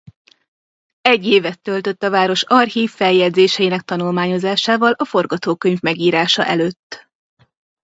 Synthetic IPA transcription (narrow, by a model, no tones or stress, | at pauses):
ɛɟːeːvɛt̪ːølt̪ø̞t̪ːɒvaːɾo̞ʃɒrhiːfːɛljɛd̪zeːʃɛjinɛk̚t̪ɒnulmaːɲo̞zaːʃaːvɒlɒfo̞rɡɒt̪oːkøɲvmɛɡiːɾaːʃɒ̰ʔɛløːt̪ː